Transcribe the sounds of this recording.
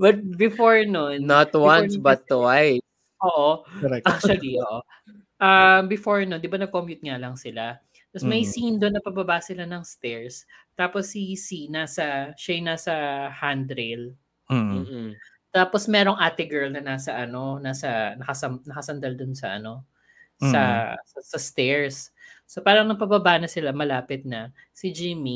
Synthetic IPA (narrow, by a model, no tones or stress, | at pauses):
bɐt̪̚bɪfoɹnonnat̪wanbɐt̪ːwaj | ʔoːʔokɾɛaɐɡioʔo | ʔɐmbɪfoɹnond̪ɪbanɐɡ̚komjʊt̪̚ŋalɐŋsɪla | t̪ɐsmɐjsind̪onːɐpɐbɐbaʔsɪlanɐŋst̪ɛɹst̪aːposːisinaːsɐʃɐjnaːsɐhand̪ɾel | m̩ː | t̪aːposmɛːɾo̞ŋʔaːt̪ɪɡɛɹlnɐnaːsɐʔɐno̞naːsɐnɐkɐsɐmnɐkɐsɐnd̪ɐld̪ʊnsɐʔɐ̰no̞ | sɐɐsɐst̪ɛɹsːopaːɾɐŋnɐpɐbɐbaʔnɐsɪlamɐlaːpɪt̪̚nɐ | sɪd͡ʒɪmi